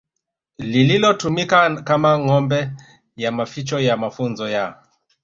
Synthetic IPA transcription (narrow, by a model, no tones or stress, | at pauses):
lililɔtumikakamaŋɔmbɛ | jamafit͡ʃɔjamafunzɔja